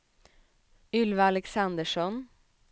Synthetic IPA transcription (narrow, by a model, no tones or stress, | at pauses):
ʉlʋəɑlɛksɑnd̪əʃɔn